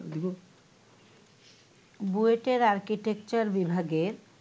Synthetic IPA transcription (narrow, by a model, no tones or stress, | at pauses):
d̪iko | bueʈeɾaɾkiʈek̚t͡ɕaɾbibʱaɡeɾ